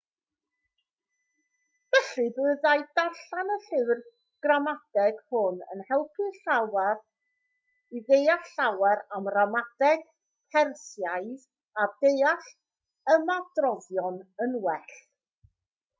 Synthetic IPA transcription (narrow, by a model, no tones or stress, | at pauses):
vɛɬɨbɨːðajd̥aɬanəɬɪwr | ɡ̥ramad̥ɛɡ̥hʊnə̰nhɛlˠpʰɨɬawɛr | iðejaɬɬawɛɾamramadɛɡ̥ | pʰɛrsjajð | adejaɬ | əmadrɔðjɔnənwɛɬ